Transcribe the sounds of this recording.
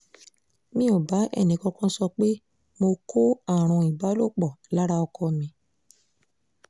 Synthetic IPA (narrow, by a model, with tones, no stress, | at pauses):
mĩ˦o˨ba˨˦ʔɛ̰˦˨nĩ˨˦kɔ̃˧kɔ̃˦sɔ˧k͡pe˦ | mo˧ko˦a˨ɾ̃ɔ̃˨˧i˨ba˨˦lo˦˨k͡pɔ˨la˦ɾa˧ɔ˧kɔ˧mĩ˧